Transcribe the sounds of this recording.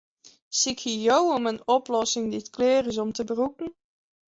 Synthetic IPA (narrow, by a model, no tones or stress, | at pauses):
sɪkhijowomənɔplɔsɪŋditkleːrɪz̬ɔmtəbərukn̩